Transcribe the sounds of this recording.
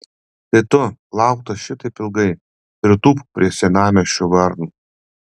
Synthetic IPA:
t̪ɐɪt̪ʊlˠɑˑʊk̚t̪ɐʃʲɪt̪ɐɪpʲɪlˠɡɐɪ | ɪɾt̪uːppʲɾʲiɛsʲɛnɑːmʲoʃʲʊʋɐɾnuː

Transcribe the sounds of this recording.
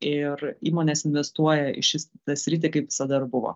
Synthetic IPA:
ɪɾiːmoːnʲeːsɪnʲʋʲɛst̪uɔjɛɪ̰ʃʲɪst̪ɐsʲɾʲɪt̪ʲekɐɪpʋʲɪ̥sɐd̪ɐɪɾbʊʋo̰ː

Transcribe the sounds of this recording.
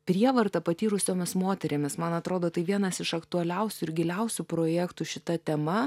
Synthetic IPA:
pʲɾʲiɛʋɐɾt̪ɐpɐt̪ʲiːɾʊsʲoːmʲɪsmoːt̪ʲɛɾʲemʲɪsmɐnɐt̪ɾoːd̪oːt̪ɐɪʋʲiɛnɐsɪʃɐkt̪ʊɐlʲɛʊsʲʊɪɾɡʲɪlʲɛʊsʲupɾoːjækt̪uʃʲɪt̪ɐt̪ʲɛmɐ

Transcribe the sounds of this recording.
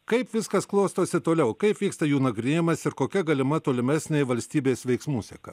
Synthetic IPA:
kɐɪpʋʲɪskɐsklˠoːst̪oːsʲɪt̪oːlʲɛʊkɐɪpʋʲiːkst̪ɐjuːnɐɡɾʲɪnʲeːjɪmɐsɪɾkoːkʲɛɡɐlʲɪmɐt̪oːlʲɪmʲæːsʲnʲeːjʋɐlʲsʲt̪ʲiːbʲeːsʋʲɛɪksmuːsʲɛkɐ

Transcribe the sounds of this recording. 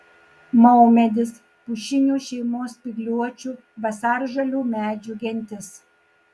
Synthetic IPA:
mɐɔmʲɛd̪ʲɪs | pʊʃʲɪnʲuːʃʲɛɪmoːspʲɪɡlʲuɔt͡ʃʲuː | ʋɐsɑːɾʒɐlʲuːmʲæːd͡ʒʲuɡʲɛnʲt̪ʲɪs

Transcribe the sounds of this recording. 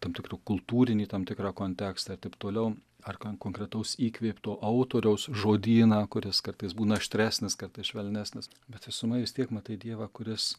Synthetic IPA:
t̪ɐmtʲɪkrʊkʊlˠt̪uːɾʲɪnʲiːt̪ɐmt̪ʲɪkɾɑːkoːnʲt̪ʲæːkst̪ɐɐrt̪ʲɐɪpt̪oːlʲɛʊ | ɐrkokoːŋkɾʲɛt̪ɐʊsiːkʋʲeːpʲt̪oːʔɐʊt̪oːɾʲɛʊsʒoːd̪ʲiːnɑːkʊɾʲɪskɐrt̪ɐɪsbuːnɐɐʃʲt̪ʲɾʲæːsʲnʲɪskɐrt̪ɐɪsʃʲʋʲɛlʲnʲæːsʲnʲɪs | bʲɛt̪ʋʲɪsʊmɐɪʋʲɪst̪ʲiɛkmɐt̪ɐɪd̪ʲiɛʋɑːkʊɾʲɪs

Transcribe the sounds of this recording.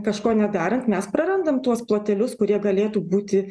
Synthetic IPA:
kɐʃkoːnʲɛd̪ɑːɾɐnt̪mʲɛspɾɐɾɐnd̪ɐmt̪uɔsplˠoːt̪ʲɛlʲʊskʊɾʲiɛɡɐlʲeːt̪uːbuːt̪ʲɪ

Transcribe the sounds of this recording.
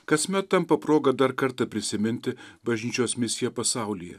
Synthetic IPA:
kɐsʲmʲɛt̪̚t̪ːɐmpɐpɾoːɡɐd̪ɐɾkɐɾt̪ɐpʲɾʲɪsʲɪmʲɪnʲt̪ʲɪbɐʒʲnʲiːt͡ʃʲoːsmʲɪsʲɪjɛpɐsɑˑʊlʲɪjɛ̰

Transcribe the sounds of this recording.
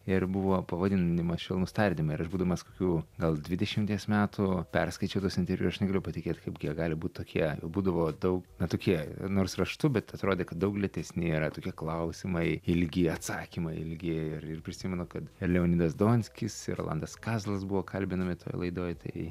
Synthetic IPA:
ɪrbuʋoːpɐʋɐd̪ʲɪnnʲɪmɐʃʲɪlˠnʊst̪ɐɾʲd̪ʲɪmɐɪɪɾɐʒbuːd̪ɐʋomɐskokʲuːɡɐlˠd̪ʲʋʲɪd̪ʲɛʃʲɪmʲt̪ʲiɛsmʲæːt̪upʲɛrskɐɪt͡ʃʲɛʊt̪uɔsɪnt̪ʲɛɾʲʋʲuːʊsɐʃnʲɛɡɐlʲʊpɐtʲɪkʲeːt̪ʲkɐɪpɡʲiɛɡɑːlʲɪbuːt̪̚ʲt̪oːkʲʰiɛjɛ̰ʊbuːd̪ɐʋoːd̪ɐʊknɐt̪oːkʲiɛnoːrsrɐʃt̪ʊbʲɛt̪ɐt̪ɾoːd̪ʲeːkɐt̪̚dɐʊklʲɛt̪ʲɛsʲnʲɪiːɾɐt̪oːkʲiɛklˠɐʊsʲɪmɐɪɪlʲɡʲɪɐt̪sɑːkʲimɐɪɪlʲɡʲɪɪrɪrpʲɾʲɪsʲimʲɛnʊkɐt̪ɪrlʲɛoːnʲid̪ɐsd̪oːnʲsʲkʲɪsɪ̰ɾo̰lˠɐ̰nd̪ɐskɑːzlˠɐsbuʋoːkʰɐlʲbʲɪnɐmʲɪt̪o̰ːjlˠɐɪd̪oːjt̪ɐ̰ɪ

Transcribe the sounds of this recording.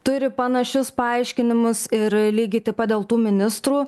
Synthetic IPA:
t̪ʊɾʲɪpɐnɐʃʲʊspɐɐɪʃʲkʲɪnʲɪmʊsɪɾlʲiːɡʲɪt̪ʲɪpɐd̪ʲeːlˠt̪uːmʲɪnʲɪst̪ɾuː

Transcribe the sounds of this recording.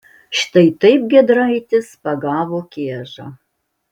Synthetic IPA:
ʃt̪ɐɪt̪ɐɪp̚ɡʲɛd̪ɾɐɪt̪ʲɪspɐɡɑːʋoːkʲeɛʒɐ

